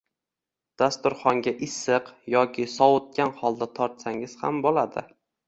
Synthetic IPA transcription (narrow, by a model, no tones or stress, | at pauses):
d̪̥ast̪ʊɾχɒŋɡʲaʔɪsɨqjɒkʲʰɪsɒwot̪̚kʲanχɒlˠd̪at̪ʰɒɾt̪saŋɪz̥hambolad̪ɪ